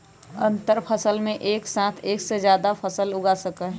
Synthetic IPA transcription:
ə̃nt̪əɾpʰəsəlmẽʔeːksãːt̪ʰeːksed͡ʒjaːd̪apʰəsəlʊɡasəkəɦ

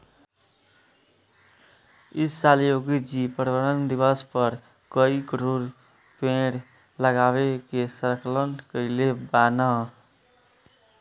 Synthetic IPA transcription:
isːaljoɡid͡ʒipəɾbəɾənd̪ibəspəɾ | kəikəɾuɾ | pẽɽ | ləɡabekesəɾklənkəɪlebanə

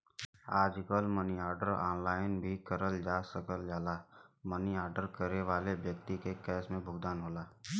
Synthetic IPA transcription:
aːd͡ʒkəlməniaːɾɖəɾɔ̰ːnlaːɪnbʱikəɾəld͡ʒaːsəkəld͡ʒaːlaːməniaːɾɖəɾkəɾeʋaːlebjək̚t̪ikekɛːsmẽbʱʊɡd̪aːnɦoːlaː

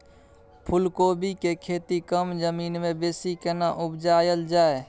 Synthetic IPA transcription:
pʰʊlkoːbikekʰeːt̪ikəmd͡ʒəmiːnmẽbeːsikenaʔʊbd͡ʒaːjəld͡ʒaːe

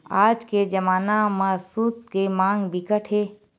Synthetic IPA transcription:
aːd͡ʒked͡ʒəmaːnamãsut̪̚kemãːŋɡbɪkəʈʰɦeː

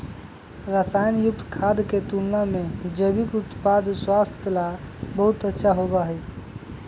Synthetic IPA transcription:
ɾəsajnjuk̚t̪ʰkʰad̪ket̪unnamed͡ʒəbikut̪pad̪ʱswast̪ʰjəlabəɦut̪ətːʃʰaɦobaɦəjt͡ʃʰ

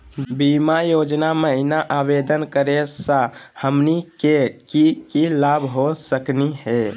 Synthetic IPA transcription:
bimajod͡ʒnaməinaʔabed̪ənkəɾesə̃həmnikekikilabʱɦosəkniɦɛ

